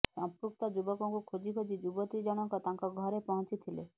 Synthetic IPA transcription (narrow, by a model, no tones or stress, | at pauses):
sɔ̃mpɾukt̪ɔd͡ʒubɔkɔŋkukʰod͡ʒikʰod͡ʒid͡ʒubɔt̪id͡ʒɔɽ̃ɔŋkɔt̪ãŋkɔɡʱɔɾepɔɦɔ̃nt͡ʃit̪ʰilḛ